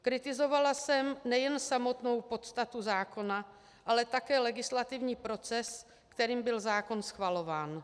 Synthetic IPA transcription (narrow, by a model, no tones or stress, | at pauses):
kɾɪt̪ɪzo̞valasɛmnɛjɛnsamo̞t̪no̞wpo̞t̪st̪at̪uzaːko̞na | ʔalɛt̪akɛːlɛɡɪslat̪ɪvɲiːpɾo̞t͡sɛs | kt̪ɛɾiːmbɪlzaːko̞nsxvalo̞vaːn